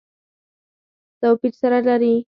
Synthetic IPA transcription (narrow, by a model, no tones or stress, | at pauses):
t̪awpiɾsaɾalaɾi